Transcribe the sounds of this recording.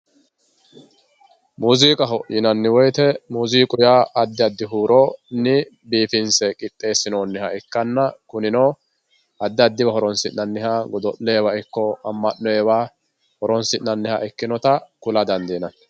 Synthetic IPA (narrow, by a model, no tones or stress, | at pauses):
muːziːkʼɐɦɔjɪnɐnːɪwɔjt̪ɛmuːziːkʼʊjaːɐd̪ːɪɐd̪ːɪɦuːɾoːnːɪ | biːfɪnsɛkʼɪt̪ʼːe̞ːsːɪnoːnːɪhɐɛkːɐnːɐkʊnɪnoː | ɐd̪ːɪɐd̪ːɪbɐɦɔɾɔnsɪʔnːɐnːɪɦaːɡɔd̪ɔʔːɛɛwaɪkːɔɐmːɐnːɔɛwaː | hɔɾɔnsɪnːɐnːɪha̰ʔɛkːɪnɔt̪ɐkʊlɐd̪ɐnd̪eːnɐ